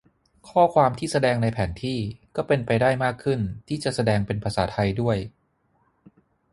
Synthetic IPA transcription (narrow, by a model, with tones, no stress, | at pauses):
kʰɔː˥˩kʰwaː˧mt̪ʰiː˥˩sa˧dɛː˧ŋna˧jpʰɛː˩˦nt̪ʰiː˥˩kɔː˥˩pe˧npa˧jdaː˥˩jmaː˥˩kʰːɯ˥˩nt̪ʰiː˥˩t͡ɕa˨˩ʔsa˧dɛː˧ŋpe˧npʰa˧sa̰ː˩˦t̪ʰa˧jdu˥˩əj